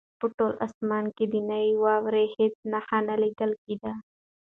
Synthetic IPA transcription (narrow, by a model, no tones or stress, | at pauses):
pəʈoːlʔa̰smaːnkid̪inaiwaːwɾehet̪̚naxanaliɡəlkid̪a